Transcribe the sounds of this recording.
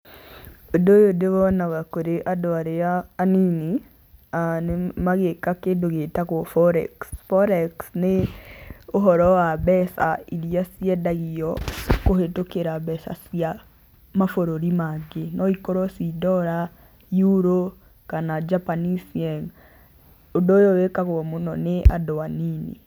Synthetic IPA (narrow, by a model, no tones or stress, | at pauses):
odojodeβɔnaβakoɾeʔadɔaɾeaːnini | anemaɣekakendoɣetakofɔɾɛ̰ksfɔɾɛksne | oɦɔɾɔwaβɛsa̰iɾiasiɛdaɣiɔkoɦetokeɾaβɛsa̰sija | mafoɾoɾimaɡenɔikɔɾɔsidɔɾa | juɾo | kanad͡ʒapanisiɛŋ | odoːjowekaɣoɔmonɔnea̰dɔaninḭ